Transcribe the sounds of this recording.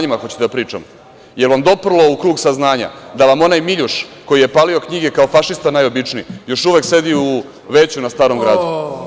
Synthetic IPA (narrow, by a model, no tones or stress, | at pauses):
ɲimaxo̞t͡ɕe̥t̪eapɾiːt͡ʂa̰m | je̞ɾʋamd̪o̞pr̩lˠo̞ukɾuːɡsaznaːɲa̰d̪aʋamo̞najmiʎuʂko̞jije̞paːlio̞kɲiɡe̞kao̞faʃist̪anajo̞bit͡ʂniijo̞ʃuʋe̞kse̞d̪iu | ʋe̞t͡ɕunast̪aːɾo̞mɡɾaːd̪u